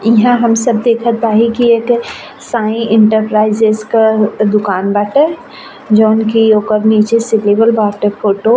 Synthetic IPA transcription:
iɦãɦəmsəb̚d̪eːkʰət̪̚baːɦikiet̪ʰe | sãːĩɪ̃ɳʈəɾpɾaːɪzezkad̪ʊkaːnbaʈə | d͡ʒɔːnkioːkəɾniːt͡ʃesilebəlbaːʈepʰoːʈo

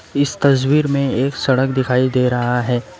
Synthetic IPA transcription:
ɪst̪ɐs̬wiːɾmẽeːksɐɽəkd̪ɪkʰaːid̪eːɾɐɦaɦɛː

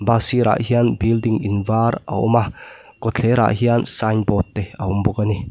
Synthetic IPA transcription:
basiɾʔa̰ʔɦianbildiŋinvaɾa̰ɔ̰mah | kɔt͡ɬʰeɾa̰ʔhiansanbɔt̪ːeaumbɔɡani

